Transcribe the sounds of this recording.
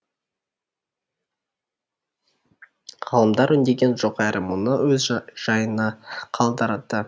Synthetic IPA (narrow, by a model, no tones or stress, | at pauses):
ʁɑlˠəmd̪ɑɾʏnd̪e̞ɡʲe̞nʒoqæɾʔɪmʊnəwɵzʒ̥ɑjənɑqʰɑlˠd̪əɾɑt̪ːə